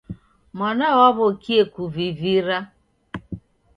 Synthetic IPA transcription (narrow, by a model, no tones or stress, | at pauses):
mɔnaɣɔβʊkiekʷuviviɾa